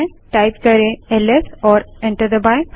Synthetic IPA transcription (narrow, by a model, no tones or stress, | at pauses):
ʈajpkɐɾeelesɔːɾẽɳʈəɾd̪əbãj̃k